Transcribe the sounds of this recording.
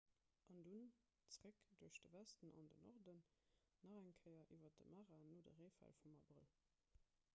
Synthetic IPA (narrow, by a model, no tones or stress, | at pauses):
ʔɑndun | t͡sʁəkd̥uɐʃd̥əvæstənɑ̰ndənɔʁdənː | ɑʁæŋkʰəɪɐʔiːvɐt̚dəmaːʁaːnoːdə̰ʁeɪfæ̰lfumɑbʁəl